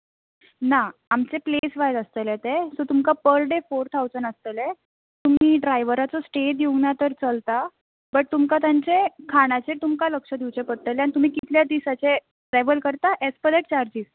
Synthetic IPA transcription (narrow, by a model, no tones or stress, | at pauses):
naamt͡seplesʋajləst̪əlet̪esot̪umkapəɾɖefoɾt̪ʰawd͡zəɳəst̪əle | t̪um̤iːɖɾajʋəɾat͡sɔsʈed̪iuŋɡnat̪əɾt͡səlt̪a | bəʈ̚t̪umkat̪ãɲt͡sekʰaɽ̃at͡set̪umkaləkʂəd̪iwt͡ɕepəɽ̚t̪əleanit̪um̤iːkit̪ljad̪isat͡se | ʈɾɛʋəlkəɾt̪aʔespəd̪eʈ̚t͡ɕaɾd͡ʑiːs